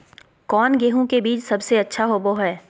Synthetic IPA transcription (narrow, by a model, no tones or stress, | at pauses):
kɔːnɡeːɦõkebiːt͡ʃsɐbseɐtːʃʰaɦoːboɦɛː